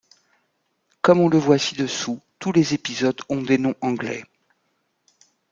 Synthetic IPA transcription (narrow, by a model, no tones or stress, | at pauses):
kɔmɔ̃ləvwasid̪əsut̪ulezepizɔd̪ɔ̃d̪enɔ̃ʔɑ̃ɡlɛ̰